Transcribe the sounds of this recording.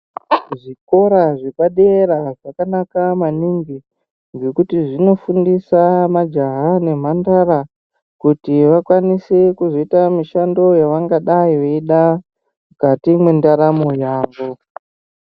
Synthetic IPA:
ʐiko̞ɾaʐepaɗeɾaʐakanakamaniŋɡi | nd͡ʒe̞kutiʐino̞fundisamad͡ʒaɦane̞m̤andaɾa | kutiʋakwanisekuzo̞itamiʃando̞jaʋaŋɡaɗaiʋeiɗa | mukatimwe̞ndaɾamojaːʋo̞

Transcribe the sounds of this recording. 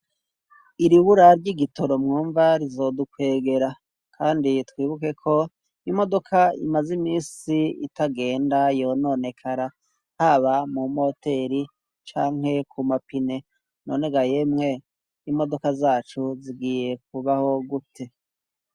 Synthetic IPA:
iɾiβuɾaɾɟiɡito̞ɾo̞mŋuːɱvaɾizo̞dukwe̞ːɡe̞ɾa | kʰaːnditwiːβuke̞kʰo̞ | imo̞do̞kʰaḭmazimiːsiḭtaɡe̞ːndajo̞no̞ne̞kʰaɾa | haβamumo̞te̞ɾi | t͡ʃaːŋhe̞kʰumapine̞ | no̞̰ne̞ɡaje̞mŋe̞ | imo̞do̞kazaːt͡ʃuziɡiːje̞k̚uβaho̞ɡutʰe̞

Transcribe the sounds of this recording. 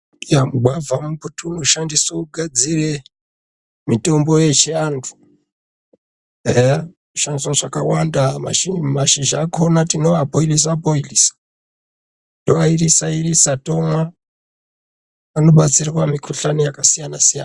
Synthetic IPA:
jamuɡ͡bʱwavamuputʰumuʃandisouɡʱad͡zire̞ | mito̞mbo̞jet͡ʃeaːntʰu̥ | e | uʃandiswaʐakawandama̰ʃimaʃiʒakʰonatino̞ʋabʱoilis̬aboilisḁ | toʋairisairisato̞mwa | ano̞ɓat͡sirwamikʰuɬanijakasijanasija̰na

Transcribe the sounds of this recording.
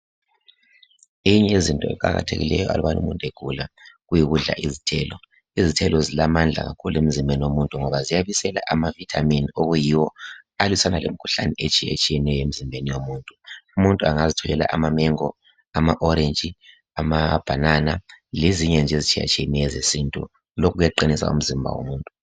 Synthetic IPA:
ejiɲɛezintʼɔɛ̰kʼaɣa̰tʰḛɣḭlɛ̰jɔʔa̰luβanṵmuntʼeɡ̥ʱulaɣujiɣuɮa̰ʔizitʰɛlɔ | izitʰɛlɔzilamand͡ɮʱa̰ɣa̰kʰuluem̩zimbʱeniwomuntʼuŋɔβazijaβisɛla̰ʔamavitʰaminioɣujiwɔalwisanalemikʰu̥ɬa̰nɛet͡ʃʼijḛt͡ʃʼijɛnɛjɔem̩zimbʱenijomuːntʼuumuntʼuaŋazitʰɔlɛla̰ʔamamɛŋɔ | amaʔɔɾend͡ʒʼi | amab̥ʱananaleziɲɛnd͡ʒʱezit͡ʃʼʰija̰t͡ʃʼijɛnɛjɛzesintʼṵ | lokʰuɣujaǃinisa̰ṵm̩zimbʱa̰wo̰muːntʼu

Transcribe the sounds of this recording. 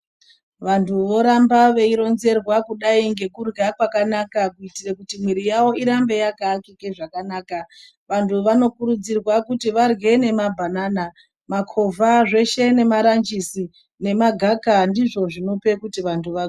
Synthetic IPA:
ʋantʰuʋo̞ɾambaʋe̞iɾo̞nze̞rwakuɗaiŋɡe̞kurɡakwakanakakuitirekutimwiɾijawo̞iɾambe̞jakaːkikeʐakanaːka | ʋantʰuʋano̞kuɾud͡zirwakutiʋarɡe̞ne̞mabʱanaːna | makʰovʱaʐe̞ʃe̞ne̞maɾand͡ʒisi | ne̞maɡʱakandiʐo̞ʐino̞pe̞kutiʋantʰuʋa

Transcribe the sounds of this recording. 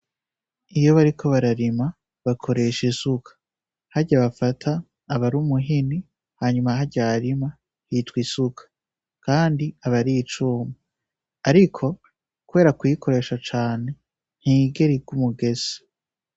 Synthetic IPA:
ijo̞βaɾikʰo̞βaɾaɾima | βakʰo̞ɾe̞ʃesukʰḁ | haɾɟaβafatʰaː | βaɾumuɦini | haːɲumaɦaɟaɾima | hitwisukʰḁ | kaːndiaβaɾit͡ʃuːmu | aɾikʰo̞ | kuβe̞ːɾakuwjikʰo̞ɾe̞ːʃat͡ʃaːne̞ | n̥hiɡe̞ɾiɡumuɡe̞ze̥

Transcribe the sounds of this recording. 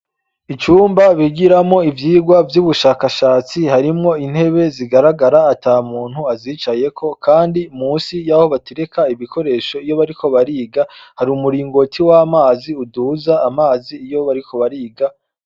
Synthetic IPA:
it͡ʃuːmbaβiɡiɾamŋo̞ivjiːɡwavjuβuʃaːkaʃaːt͡sihaɾimŋo̞in̥he̞βe̞ziɡaɾaɡaɾaːtaːmuːn̥huaziːt͡ʃaje̞kʰo̞kʰaːndimuːsijaho̞βateɾekaiβikʰo̞ɾe̞ʃo̞ijo̞βaɾikʰo̞βaɾiːɡahaɾiuːmuɾiːŋɡo̞tʰiwaːmaːziuduzaːmaːziːjo̞βaɾikʰo̞βaɾiːɡa

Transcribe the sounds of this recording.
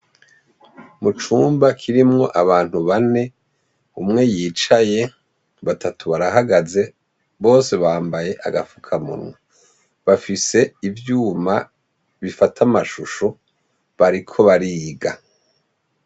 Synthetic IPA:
mut͡ʃuːmbakʰiɾimŋo̞ʔaβaːn̥huβane̞ | umŋe̞jiːt͡ʃaje̞ | βatʰatuβaɾahaɡaze̞ | βo̞ːse̞βaːmbaje̞ʔa̰ɡafukʰamṵnwe | βafise̞ivjuːma | βifatʰamaʃuʃo | βaɾikʰo̞βaɾiːɡa

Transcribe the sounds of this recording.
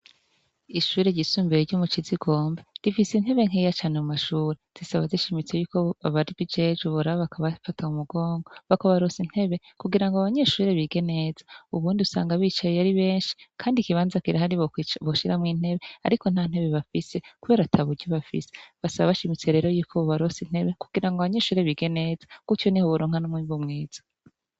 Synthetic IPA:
iʃuːɾe̞ɟisumbeɾeɾɟumut͡ʃiziɡo̞ːmbeɾifisin̥he̞βe̞ŋ̥ejat͡ʃanemumaʃuːɾez̥isaβaziʃimit͡se̞juːkoaβaɾiβid͡ʒed͡ʒuβoɾaβoβakaβafataumuɡo̞ːŋɡoβakoβaɾosin̥he̞βe̞ | kuɡiɾaŋɡoaβaɲeːʃuːɾe̞βiɡe̞nezauβuːndiusa̰ːŋɡaβiːt͡ʃajejaɾiβe̞ːnʃi̥kʰaːndikiβaːnzakiɾahaɾiβoʃiɾamŋiːn̥he̞βe̞a̰ɾiko̞n̥aːn̥he̞βe̞βafise̞kuβeːɾatʰaβuɾɟoβafḭse̥βasaβaβaʃimit͡se̞ɾe̞ːɾo̞juːkʰoβaɾosin̥he̞βeku̥ɡ̥iɾaŋɡaβaɲe̞ʃuːɾe̞βiɡe̞ne̞ːzḁkutjonihoβoɾoːŋhanumŋiβumŋiːz̥ḁ

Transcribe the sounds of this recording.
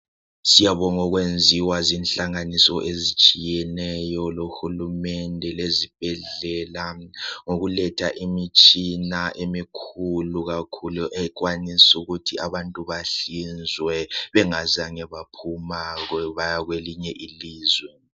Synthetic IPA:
sijaβɔŋɔɣwend͡zʱiwazinɬaŋanisɔʔezit͡ʃʼijɛnɛjɔloxulumɛndʱɛlezib̥ʱɛɮɛlaŋoɣulɛtʰaʔimit͡ʃʼinaʔemikʰuluɣakʰuluʔɛɣwanisuɣutʰiaβantʼuβaɬind͡zʱwɛβɛŋazaŋɛβapʰumaɣwɛβajaɣweliɲɛʔiliːzwɛ

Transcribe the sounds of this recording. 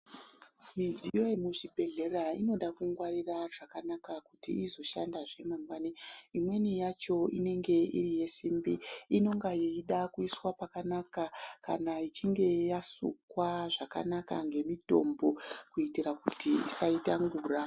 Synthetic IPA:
mid͡zijo̞emuʐibʱe̞ɮe̞raḭno̞ɗakuŋɡwariraʐakanakakutḭizo̞ʃandaʐe̞mambwaniimwe̞nijat͡ʃo̞ine̞ŋɡe̞ḭrije̞simbiino̞ŋɡaiːɗakuiswapakanakakanait͡ʃiŋɡe̞jasṵkwaʐaka̰naka̰ŋɡe̞mito̞̰mbo̞kuitirakutiḭsaitaŋɡuːra

